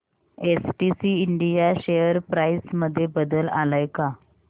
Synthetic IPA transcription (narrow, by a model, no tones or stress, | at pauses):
esʈisiːɳɖijaɕejəɾpɾajsməd̪ʱːjebəd̪əla̰lajka